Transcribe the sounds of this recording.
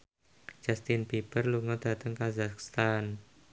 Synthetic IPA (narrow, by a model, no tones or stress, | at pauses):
d͡ʒ̥ast̪inpipərluŋɔd̪̥a̤t̪əŋkazakst̪an